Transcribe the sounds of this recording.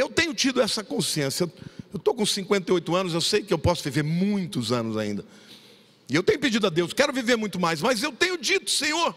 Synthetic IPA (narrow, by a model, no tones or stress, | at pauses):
ewt̪ẽɲʊt͡ʃid̪ʊɛsɐkõsiẽsjɐewewt̪okõsĩŋkwẽnt̪eojt̪ʊɐ̃nʊzewsejkɪewpɔsʊviveɾmũj̃t̪ʊzɐ̃nʊza̰ḭ̃nd̪ɐ | ɪewt̪ẽɲ̃ʊped͡ʒid̪ʊad̪ewskɛɾʊviveɾmũj̃t̪ʊmajsmɐzewt̪ẽɲ̃ʊd͡ʒit̪ʊ̥sẽɲoɾ